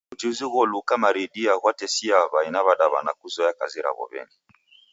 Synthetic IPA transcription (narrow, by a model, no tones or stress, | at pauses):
ud͡ʒiziɣɔlukamaɾidiaɣwatɛsiaβainaβaɗaβa̰na̰kuzɔjakaziɾa̰βɔ̰βɛ̰ŋɡi